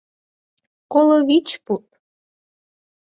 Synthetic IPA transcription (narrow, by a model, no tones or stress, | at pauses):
koloβit͡ɕput̪